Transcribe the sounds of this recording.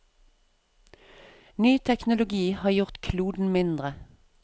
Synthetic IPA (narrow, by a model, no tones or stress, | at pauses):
nyːt̪ʰɛknʊlʊɡiːhɑːjʊʁt̪kʰluːd̪n̩mɪnd̪ʁə